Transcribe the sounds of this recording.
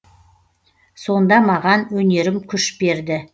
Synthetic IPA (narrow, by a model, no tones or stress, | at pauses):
so̞nd̪ɑmɑʁɑnwɵne̞ɾɪmkʲʰʏʃbe̞ɾd̪ɪ